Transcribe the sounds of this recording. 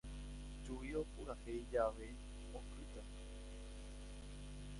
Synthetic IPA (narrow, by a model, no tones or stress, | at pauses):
t͡ʃuiopuɾahejd͡ʒaʋe | okɾɨt̪a